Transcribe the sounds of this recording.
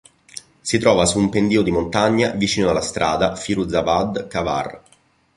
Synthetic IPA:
sit̪ɾɔːvasuːmpend̪iːod̪imont̪aɲːavit͡ʃiːnoalːast̪ɾʔa̰ːd̪afiɾud̪zavad̪kava̰r

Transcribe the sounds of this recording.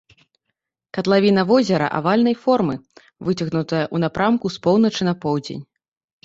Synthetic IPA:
kɐt̪lˠavʲinɐvɔzʲɛɾɐ̰ʔa̰valʲnɐjfɔrmɨ | vɨt͡sʲɐɣnut̪ɐjɐʔunapɾamkuspɔwn̪ɐt͡ʂɨnɐpɔwd͡zʲḛnʲ

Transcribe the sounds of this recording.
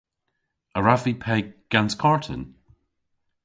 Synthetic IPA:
əɹavipʰɛɡ̥anskʰɔɹtʰə̰n

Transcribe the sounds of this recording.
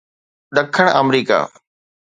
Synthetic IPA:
ɗ̪əkʰəɳ̃əmɾiːka̰ː

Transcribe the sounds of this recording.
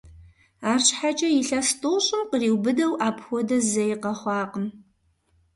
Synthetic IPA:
aːrɕħat͡ʃʼɐjiɬɐstʼoɕʼɪmqəriːwbɨdɐwaːpʰxʷɔdɐzɐjɪqɐχʷɑːqəm

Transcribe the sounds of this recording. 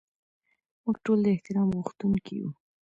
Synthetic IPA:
muɡʈold̪əɪht̪ɪɾɑmɣuxt̪unkʰijṵ

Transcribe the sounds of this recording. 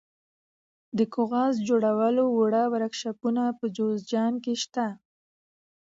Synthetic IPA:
d̪əkoɣɑs̬d͡ʒoɽawəlowʊɽawaɾakʃapunapəd͡ʒozd͡ʒɑnkeʃt̪a

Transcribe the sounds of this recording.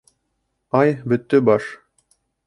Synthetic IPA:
ɑjbɵ̆t̪ːɵbɑʃ

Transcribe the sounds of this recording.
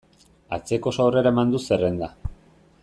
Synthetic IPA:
at͡se̞ko̞sawre̞ɾaemand̪use̞re̞nd̪a

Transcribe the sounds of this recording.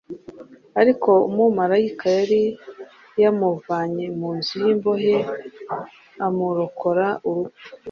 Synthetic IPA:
aɾiko̞umumaɾajikajaɾi | jamuvaɲemuːnzujiːmbo̞ɦe | amuɾokʰo̞ɾaʔuɾuɡu̥

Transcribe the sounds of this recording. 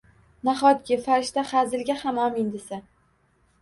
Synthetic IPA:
naχɒt̪̚ɡʲɪfaɾɪʃt̪aχazɪlɡʲahamɒmɪnd̪ɪsa

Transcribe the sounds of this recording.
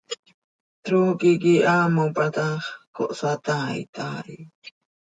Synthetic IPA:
t̪ɾukikiʔamopat̪aχkʰo̰ʔsat̪aḭt̪ʰaɾi

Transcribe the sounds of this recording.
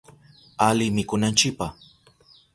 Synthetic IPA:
alɪmɪkʊnant͡ʃɪk̚pa

